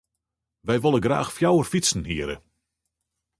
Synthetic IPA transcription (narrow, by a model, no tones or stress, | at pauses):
ʋɛjʋolˠəɡra̰ːxfjawərfisn̩ɦiəɾə̰